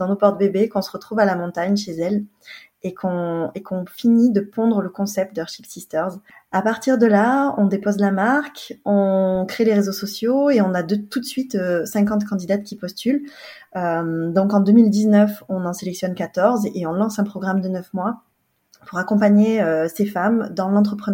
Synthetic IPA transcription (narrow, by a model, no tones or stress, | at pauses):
d̪ɑ̃nopɔʁd̪əbebekɔ̃sə̥ʁət̪χuvalamɔ̃t̪aɲʃezɛl | ekʰɔ̃ekɔ̃finid̪əpɔ̃d̪ʁələkɔ̃sɛp̚t̪d̪əœʁʃipsist̪œʁzapaʁt̪iʁd̪əlaɔ̃d̪epozlamaʁkɔ̃kχeleʁezosɔsjoeɔ̃nad̪t̪ut̪sɥit̪øsɛ̃kɑ̃t̪kɑ̃d̪id̪at̪̚kʲipɔst̪yl | ømd̪ɔ̃kɑ̃d̪ømild̪iznœfɔ̃nɑ̃selɛksjɔnkat̪ɔʁzeɔ̃lɑ̃sɛ̃pχɔɡʁamd̪ənœfmwa | puʁakɔ̃paɲeøsefamd̪ɑ̃lɑ̃t̪χəpχən